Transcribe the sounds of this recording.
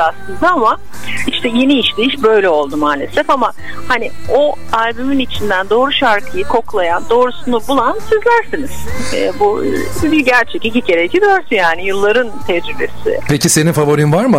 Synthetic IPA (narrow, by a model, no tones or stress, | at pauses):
aslˠɯnd̪aama | iʃt̪ʰɛje̞niiʃd̪iiʃbø̞jlʲɛo̞lˠd̪umaːlʲe̞̰sɛfama | hanio̞ | alʲbyminit͡ʃʰind̪ænd̪o̞ːɾuʃaɾkʰɯjɯkʰo̞klˠajand̪o̞ːɾusunubulˠansizlʲæɾsiniz̥ɛ̰ːbubiɟæɾt͡ʃʰɛcicʲicʰeɾecʰid̪øɾt̪ʰyjaːnijɯlˠːaɾɯnt̪ʰɛɾybe̞̰sɪ̰pʰecise̞ninfavoɾinvaɾmɯ